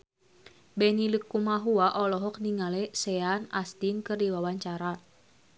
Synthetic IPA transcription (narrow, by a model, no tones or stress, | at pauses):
bɛniləkːumaɦuaʔɔlɔɦɔk̚niŋalɛsɛanast̪inkɨrdiwawaɲt͡ʃaɾa